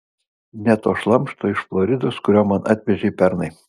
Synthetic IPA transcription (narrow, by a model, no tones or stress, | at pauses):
nʲɛt̪oːʃlˠɐmʃt̪oːɪʃflˠɔɾʲɪd̪oːskʊɾʲoːmɐnʔɑ̰ːt̪ʲʋʲɛʒʲɛɪpʲɛɾnɐɪ